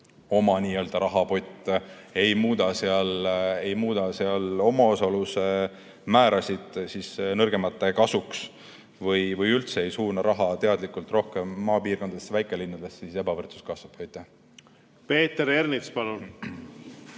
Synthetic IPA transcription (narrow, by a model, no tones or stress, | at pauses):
o̞mɑniːøld̪ɑɾɑɦɑpo̞jt̪ːˑ | e̞jmuːd̪̥ɑseɑle̞jmuːd̪ɑseɑlo̞mɑosɑluse | mæːɾʔɑsʲid̪̥sisnɤrɡ̥e̞mɑt̪ːˑe̞kɑsuks | vɤjvɤjylt̪se̞ejsuːnɑɾʔɑɦɑt̪e̞ɑd̪likːˑult̪ˑro̞hkemːɑːpiːrko̞nd̪ɑd̪esvæjkˑe̞linːɑd̪e̞sːise̞bɑvɤrt̪su̥skɑsvɑb̥ɑjt̪ːˑæh | pe̞ːt̪ːeɾernit̪spɑlun